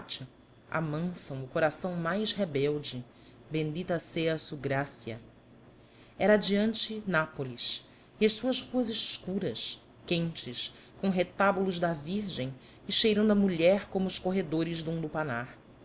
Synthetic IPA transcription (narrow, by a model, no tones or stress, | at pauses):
t͡ʃɐ | a̰mɐ̃sɐ̃w̃ʊkoɾasɐ̃w̃majʃɦebɛwd͡ʒɪ | bẽnd͡ʒit̪ɐseɐsuɡɾasiɐ̰ | ɛɾɐːd͡ʒiɐ̃nt͡ʃɪnapolis | iɐʃsuɐzhuɐzɪʃkuɾɐs | kẽnt͡ʃɪs | kõw̃ɦet̪abulʊzd̪ɐviɾʒẽj̃ | ɪʃejɾɐ̃ñd̪ɐmuʎɛɾkõmʊːʃkoɦed̪oɾɪzd̪ũd̪upanaɾ